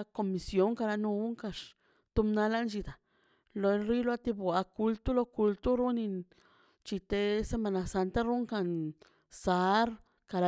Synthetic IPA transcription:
ko˧mi˨˧sjo˦ŋka˧ɾa˧nu˧u˦ŋka˧ʂ | t̪u˧˦mna˧la˦nt͡ʃi˧d̪a˨ | lo˧nɾi˦lwa˦t̪i˧bwa˧ku˧lt̪u˦lo˧ku˧lt̪u˦ɾu˦ni˧ | t͡ʃi˧t̪e˧se˧ma˧na˧sa˧nt̪a˦ɾu˦ŋka˧˨n | sa˧˦ɾ | ka˨˧ɾa˧

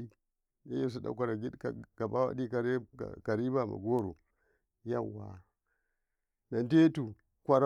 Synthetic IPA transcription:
i˦ | ne˦ji˦s̬u˦da̰˦kʷa˨ɾa˨ɡi˦dka˨ɡ̥a˨ba˦wa̰˦di˦ka˨ɾḛ˦˨ka˨ɾi˦ba˦˨ma̰˨ɡo˦ɾo̰˨ | ja˦˨wːa̰˨ | na˨nde˦tu˨ | kʷa˨ɾa˦

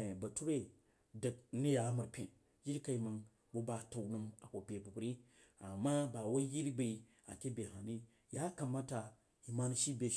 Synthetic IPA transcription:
ba˨tu˦ɾe˦ | də˨k̚ni˦ja˨˦mə˨ɾpʲẽ˨ | ji˦ɾka˨i˨ma˨n | bo˦ba˨ta˨wnu˦ma˨ko˨pʲe˨bu˨ku˨ɾi˦ | a˨mːa˦ba˨wa˦ji˦ɾi˦ba˨i˨ | a̰˨ke˦be˨ɦa˨ni˦ | ja˦ka˨mːa˦ta˨ | i˨ma˦ni˦ʃi˦be˨

